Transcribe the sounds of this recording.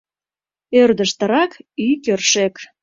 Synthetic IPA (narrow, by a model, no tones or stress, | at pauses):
ørd̪əʃt̪əɾɑkykørʃek